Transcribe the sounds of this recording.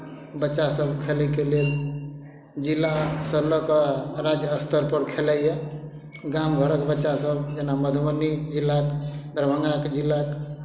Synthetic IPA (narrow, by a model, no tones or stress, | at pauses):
bətːt͡ʃʃasəbkʰeləkelel | d͡ʒilːasələkɾad͡ʒjəəst̪əɾpəɾkʰeləjje | ɡamɡʱəɽəkbətːʃasəbd͡ʒenaməd̪ʱmənid͡ʒilːakd̪ɾbʱəŋɡakd͡ʒilːak